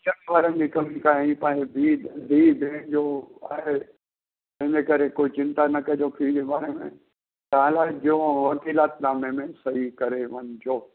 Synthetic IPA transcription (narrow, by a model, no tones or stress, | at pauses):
t͡ɕɐnʋaːɾənd͡ʑikɐmikaːɦĩpãːebid̪ʱiːb̪ʱeːɳd͡ʑoa̰ːɦe | ɐɦɪnekɐɾekoːit͡ɕɪ̃nt̪anɐkɐd͡ʑopʰiːd͡ʑebaːɾemḛ̃ | t̪ɐãlad͡ʑõʋɐkiːlaːt̪naːmemẽsɐɦikɐɾeʋɐnd͡ʑoː